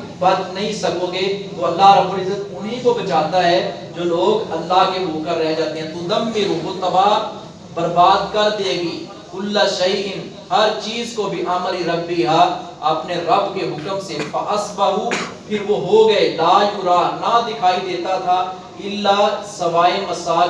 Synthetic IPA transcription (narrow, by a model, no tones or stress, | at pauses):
bɐt̪nɐɦĩsɐkoːɡet̪oɐlːaɦɾɐbːʊlɪzːət̪ʊnɦikobɐt͡ʃaːt̪aɦɛ | d͡ʒoːloːɡɐlːaɦkeboːkəɾɾɛɦd͡ʒaːt̪ẽɦɛ̃t̪ud̪ɐmːeɾuʋot̪ɐbaː | bɐɾbaːd̪kɐɾd̪eːɡiː | kʊlːaʃɐjʔɪn | hɐɾt͡ʃiːzkobʱiʔɐmɾiɾɐbːiɦa | ɐpneɾɐbkeɦʊkəmsefɐʔɐsbɐɦupʰɪɾʋoɦoɡɐelaːjuɾaːnɐd̪ɪkʰaːid̪eːt̪at̪ʰa | ɪlːasɐʋaːemɐsaːl